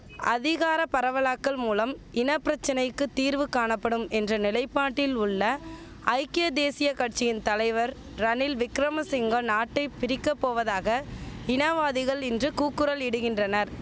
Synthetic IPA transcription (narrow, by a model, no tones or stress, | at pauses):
ɐðɪɣaːɾɐpɐɾɐʋɐlaːkːɐɭmuːlɐmɪnɐpːɪɾɐt͡ʃːɐnɐɪkːɯt̪ːiːɾʋɯkːaːɳɐpːɐɽɯmɛndrɐnɪlɐɪpːaːʈːɪlʊɭːɐ | ɐɪkɪjɐd̪eːsɪjɐkɐʈ̚t͡ʃːɪjɪnt̪ɐlɐɪʋɐɾ | ɾɐnɪlʋɪkɾɐmɐsɪŋɡɐnaːʈːɐɪpɪɾɪkːɐpːoːʋɐðaːɣɐɪnɐʋaːðɪɣɐɭɪndrɯkuːkːɯɾɐlɪɽɯɣɪndrɐnɐɾ